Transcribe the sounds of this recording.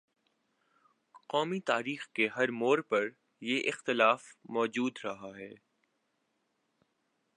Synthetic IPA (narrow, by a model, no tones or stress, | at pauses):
qɔːmit̪aːɾiːxkeɦɐɾmoːɾpɐɾ | jeʔɪxt̪ɪlaːfmɔːd͡ʒuːd̪ɾɐɦaɦɛː